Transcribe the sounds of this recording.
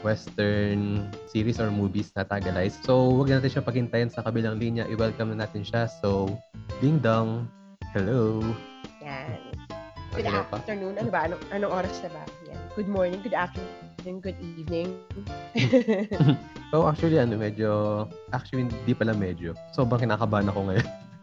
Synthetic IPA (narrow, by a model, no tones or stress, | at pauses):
wɛst̪ɛɹnsiːɾisɔɹmuːvisnɐt̪aːɡɐlajsːowɐɡ̚nnaːt̪ɪnʃapɐɡhɪnt̪ajɐnsɐkɐbilɐŋlinjɐʔɪwɛlkɐmnɐnaːt̪ɪnʃasowbiŋd̪ɐŋ | hɛlo | janɡ̰ʊd̪ɐafpɐt̪ɛɹnuːnʔɐnobɐʔɐnoŋʔɐnoŋʔoːɾɐsnɐla̰ːt̪ɪnja̰nɡ̥ʊd̪̚mɔɹnɪ̃ŋɡʊd̪ak̚ʃʊ | nʊnɡʊd̪̚ʔiːvnɪŋ | m̩sowʔak̚t͡ʃuɐliʔɐnomɛd͡ʒoʔak̚t͡ʃʊɐlihnd̪ipɐlɐmɛːd͡ʒosobɾɐŋkɪnaːkɐbanɐko̞ŋɐjon